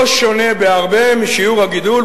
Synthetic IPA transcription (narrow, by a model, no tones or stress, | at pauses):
ʃone̞beaʁbemiʃiuʁhaɡid̪ul